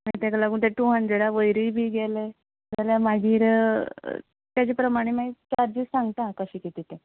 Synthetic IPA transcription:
mat̪akalaɡuːnt̪̬aʈuɦand͡zeɽaʋəjɾiːbʱiːɡɛle | d͡zaljamaɡʱiːɾ̰ | t̪jat͡ɕepɾəmaɽ̃emait͡ɕaɾd͡ʑissãŋɡt̪akəɕiːkit̪it̪ẽ

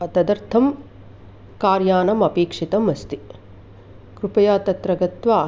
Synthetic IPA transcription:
ɐt̪ɐd̪ɐɾt̪ʰɐm | kaːɾjaːnɐmɐpeːkʂit̪ɐmɐst̪i | kɾupɐjaːt̪ɐt̪ɾɐɡɐt̪ʋaː

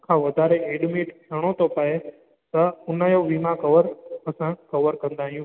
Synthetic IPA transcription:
kʰãːʋɐd̪ʱaːɾeeːɖmiːʈkʰɐɽ̃ot̪ʰopəe | t̪ɐʊnəjoʋiːmãkɐʋəɾɐsãkɐʋəɾkɐ̃nd̪aːɦijũ

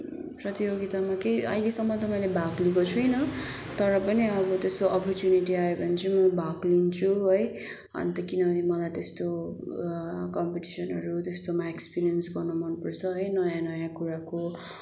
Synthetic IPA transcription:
prʌt̪ijoɡit̪amakejʌ̰jlesʌmːʌt̪ʌmʌjlebʱaklikot͡sʰujnʌt̪ʌɾʌpʌniʌbʌt̪est̪oʔʌpʌrtjuniʈiaebʱʌnt͡sʰimʌbʱaklint͡sʰuɦʌj | ʌ̰nt̪ʌkinʌbʱʌnimʌlajt̪est̪o | kʌmpiʈisʌnʌ̰ɾut̪est̪omaekspiɾiʌnsɡʌrnumʌnpʌrt͡sʰʌɦʌjnʌjãnʌjãkuɾako

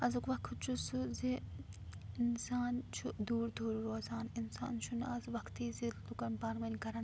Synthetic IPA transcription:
ɐzukʋɐkʰt͡ʃʰusuzi | ɪnsaːnt͡ʃʰud̪uːɾd̪ʰʱuːɾɾoːzaːninsa̰ːnt͡ʃʰunɐzʋɐkʰt̪iːzit̪ukɐnpaːɾmɐnkɐɾɐn

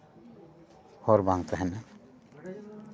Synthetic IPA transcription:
hɔɾbaŋt̪ʰaɦɛna

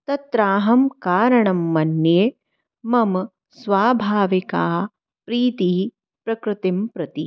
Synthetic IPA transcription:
t̪ɐt̪ɾaːɦɐmkaːɾɐɳɐmːɐnjeː | mɐm | sʋaːbʱaːʋikaː | pɾiːt̪iː | pɾɐkɾɪt̪impɾɐt̪i

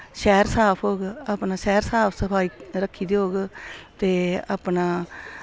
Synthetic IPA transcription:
ʃɛːɾsaːpʰɦoːɡaːpnaːʃɛːɾsaːpʰsəpʰaːiːɾəkʰːiːd̪iːɦoːɡt̪eːa̰ːpnaː

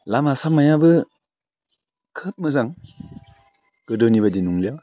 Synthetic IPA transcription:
lamasamajabɯ | kʰɯp̚mɯzaŋ | ɡ̥ɯdɯwnibadinuŋlijaw

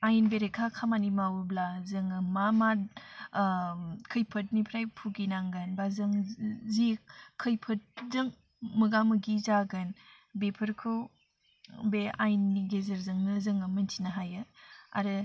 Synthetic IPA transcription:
ajnbeɾekʰakʰamanimawublazɯŋɯmama | kʰɯjpʰɐt̚nipʰɾajpʰuɡinaŋɡɯnbazɯŋzik̚kʰːɯjpʰɐt̚zɯŋ | mɯɡamɯɡizaɡɯn | bepʰɯɾkʰɯ | bea̰jnːiɡezɐɾzɯŋnɯzɯŋɯmɯntʰinaɦajɯa̰ɾɯ

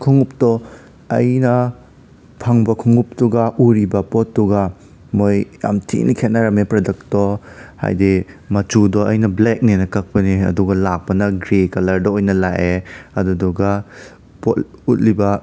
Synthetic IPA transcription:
kʰuŋup̚tɔ | ɐ̰jnɐ | pʰɐŋbɐkʰuŋup̚tuɡɐʔuɾibɐpɔt̚ːuɡɐ | mojja̰mtʰḭnikʰet̚nɐɾɐmepɾɔdɐk̚tɔha̰jdimɐt͡ʃudɔɐjnɐblek̚nenɐkɐk̚pɐniɐ̰duɡɐlak̚pɐnɐɡɾekɐlɐɾdɔojnɐlaʔeɐdudɔɡa | pɔ̰tut̚libɐ

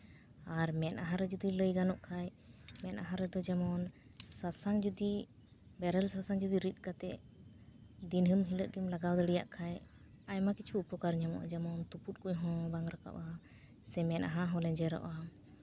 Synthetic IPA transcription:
aɾmɛnʔaɦãɾɛd͡ʒud̪iləjɡanɔʔkʰaj | mɛnʔaɦãɾɛd̪ɔd͡ʒamɔn | sasaŋd͡ʒud̪i | bɛɾɛlsasaŋd͡ʒud̪iɾit̪̚ˀkat̪ɛʔ | d̪inɦəmɦiləʔɡimlaɡawd̪əɽija̰ʔkʰaj | ajmakit͡ʃʰuupɔkaɾɲamɔ̰ʔd͡ʒamɔnt̪uput̪̚kujɦɔ̃baŋɾaka̰ʔa | sɛmɛnʔaɦãɦɔ̃lɛd͡ʒɛɾɔ̰ʔa

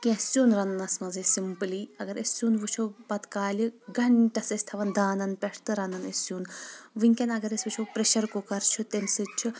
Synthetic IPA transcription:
kʲẽsʲuːnɾɐnnɐsmɐnzisimpɨliɐɡɐɾɐsʲuːnʋɨt͡ʃʰobɐt̪kaːlʲiɡɐɳʈɐsɐsʲt̪ʰɐʋɐnd̪aːnɐnpʲɐʂt̪ɨɾɐnɐnesʲjuːnʋɨŋʲkʲɐnɐɡɐɾɐsʲʋɨt͡ʃʰopɾeʃɐɾkokɐɾt͡ʃʰut̪ensɨt͡ʃʰu

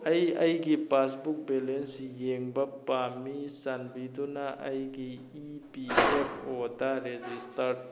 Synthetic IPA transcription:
ɐjɐjɡipas̬buk̚belensjeŋbɐpːamisɐnbid̪unaʔɐjɡiː | piepʰod̪aɾed͡ʒistɐɾ

